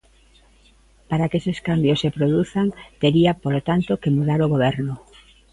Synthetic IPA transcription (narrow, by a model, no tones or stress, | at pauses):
paɾakeseskambjosepɾoðuθaŋt̪eɾiapolot̪ant̪okemuðaɾoɣ̞oβ̞ɛɾno